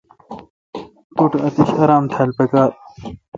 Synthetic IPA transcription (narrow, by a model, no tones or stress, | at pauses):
t̪uʈɐt̪iɕɐɾaːmt̪ʰalpekaːt̪̚